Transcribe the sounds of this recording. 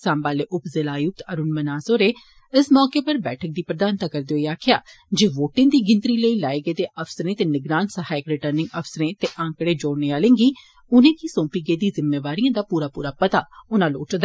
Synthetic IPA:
sãːmbaːleːʔʊpzɪlaːjʊk̚t̪əɾʊnmənaːsoːɾeː | ɪsmɔːkeːpəɾbɛːʈʰək̚d̪iːpɾəd̪aːnt̪aːkəɾd̪eːoːiaːkʰɪjaːd͡ʒeːʋoːʈɪ̃ːd̪iːɡɪ̃nt̪ɾiːləiːlaːeɡeːd̪eːʔəpʰsəɾẽːt̪eːnɪɡɾaːnsəɦaːɪkɾɪʈəɾnɪ̃ŋɡəfʰsɾẽːt̪eːʔãːŋkɽeːd͡ʒoːɽneːaːlẽːŋɡiː | ʊnẽːkisõːpiːɡeːd̪iːzɪmːeːʋaːɾijãːd̪aːpuːɾaːpuːɾaːpət̪aːʊnãːloːʈʰd̪a

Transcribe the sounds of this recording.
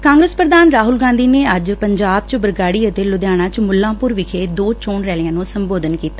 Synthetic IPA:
kãːŋɡɾəspɾəd̪aːnɾaːɦʊlɡãːnd̪iːneːəd͡ʒpəɲd͡ʒaːb̚t͡ʃbəɾɡaːɽiːət̪eːlʊd̪jaːɽ̃ãːt͡ʃmʊlːãːpʊɾʋɪkʰeːd̪oːt͡ʃoːɳɾɛːlɪãːnõːsəmboːd̪ənkiːt̪aː

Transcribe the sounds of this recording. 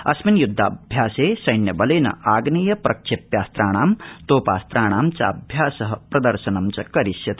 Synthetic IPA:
ɐsminjud̪ʱːaːbʱjaːseːsɐjnjɐbɐleːnɐ̰aːɡnijɐprʔɐkʂepjaːst̪ɾaːɽ̃aːmt̪oːpaːst̪ɾaːɽ̃aːmt͡sa̰bʱjaːsɐɦɐpɾɐd̪ɐɾsɐnɐmt͡sɐkɐɾisjɐt̪

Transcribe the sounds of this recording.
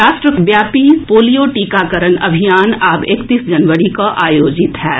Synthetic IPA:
aːsʃʈɾəbjaːpipoːlijoʈiːkakəɾənɐbʱijaːnaːbeːkt̪iːsd͡ʒɐnʋəɾikaʔaːjoːd͡ʒɪt̪ɦɛː

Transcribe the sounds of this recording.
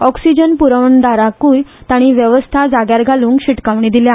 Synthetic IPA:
ɔksid͡ʑənpuɾəʋɳd̪aɾakuːjt̪aɽ̃iːʋjəʋəst̪ʰad͡zaɡjaɾɡʱaluːŋkɕiʈkaʋɳiːd̪ilja

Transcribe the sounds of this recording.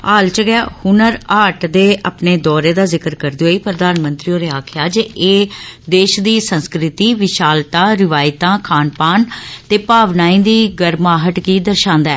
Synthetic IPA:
aːlt͡ʃɡɛhʊnəɾaːʈd̪eːʔapneːd̪ɔːɾeːd̪aːzɪkəɾkəɾd̪iɦoːiːpɾəd̪aːnmə̃nt̪ɾiːoːɾeːaːkʰɪjaːd͡ʒeʔeːd̪eːʃd̪iːsə̃nskɾɪt̪iːʋɪʃaːlt̪aːɾɪʋaːɪt̪ãːkʰaːnpaːnt̪eːpaːʋnaːĩːd̪iːɡəɾmaːɦəʈɡiːd̪əɾʃãːnd̪aɛː

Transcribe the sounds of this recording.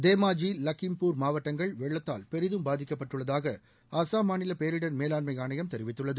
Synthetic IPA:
d̪eːmaːd͡ʒilɐkːɪmpuːɾmaːʋɐʈːɐŋɡɐɭʋɛɭːɐt̪ːaːlpɛɾɪðɯmbaːðɪkːɐpːɐʈːɯɭːɐðaːɣɐ | ɐsaːmaːnɪlɐpeːɾɪɽɐnmeːlaːnmɐɪaːɳɐjɐmt̪ɛɾɪʋɪt̪ːɯɭːɐðɯ

